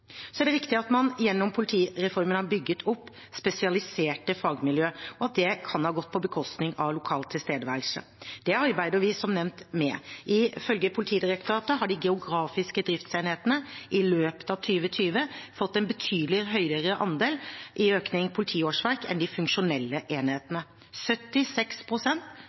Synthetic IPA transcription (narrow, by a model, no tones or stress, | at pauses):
sɔæɖɛɾɪkt̪ɪɑt̪mɑnjɛnːɔmpʰʊlɪt̪ʰiːɾɛfɔɾmənhɑbʏɡːət̪ʰʊpː | spɛsɪɑlɪseːʈəfɑɡmɪljøːɔɑt̪̚d̪ɛkʰɑnhɑːɡɔt̪̚ːpʰɔbəkʰɔst̪nɪŋɑʋlʊkʰɑːlt̪ʰːɪlst̪eːd̪əʋælʂə̰ | d̪̥ɛɑɾbæɪd̪əɾʋɪsɔmnɛmnt̪mɛʔɪfœlɡəpʰʊlɪt̪ʰiːd̪ɪɾɛk̚t̪ʊɾɑːt̪əɦɑɖɪɡɛʊɡɾɑːfɪskəd̪ɾɪft̪seɪnheːt̪ənəʔɪløːpə̥t̪ɑʋt̪ʰyːʋət̪ʰyːʋəfɔt̪ːɛnbət̪ʰyːd̪lɪɦœʏəɾəʔɑnd̪eːlʔɪøːknɪŋpʰʊlɪt̪ʰiːoːʂʋæɾkɛ̰nd̪ɪfʉŋkʂʊnɛlːəʔeːnheːt̪ənə | sœt̪ːɪsɛkspʰɾʊsɛnt̪